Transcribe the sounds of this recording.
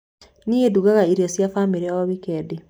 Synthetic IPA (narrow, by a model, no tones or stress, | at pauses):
niːɣeduɣaɣaiɾiɔsjafamiɾɛɔβikɛde